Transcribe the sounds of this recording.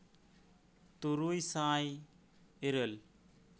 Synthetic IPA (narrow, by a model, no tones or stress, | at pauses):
t̪uɾujsãːj | eɾəl